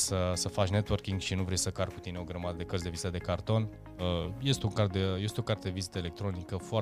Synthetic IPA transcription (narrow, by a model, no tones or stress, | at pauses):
səsəfat͡ʃne̞t̪wərkiŋɡʃinuvɾejsəkarkːut̪ineo̞ɡɾəmad̪əd̪e̞kəɾzd̪e̞vizt̪əd̪e̞kart̪o̞n | əje̞st̪euŋkart̪d̪eje̞st̪eo̞kart̪ed̪evizit̪əele̞k̚t̪ɾo̞nikəfoa